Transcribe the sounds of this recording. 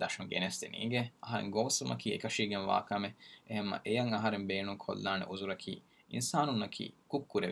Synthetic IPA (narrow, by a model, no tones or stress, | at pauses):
d̪ɐʃuŋɡḛnest̪ḛnḭːɡeɐɦɐɾḛŋɡoːsumʔɐ̰kiːekɐʃiːɡenʋa̰ːkɐmeeɦemːɐ̰ʔejɐŋɐɦɐɾembeːnuŋkʰo̰lːaːnḛʔuzuɾɐkʰḭː | insaːnunːɐkʰḭːkukːuɾeʋ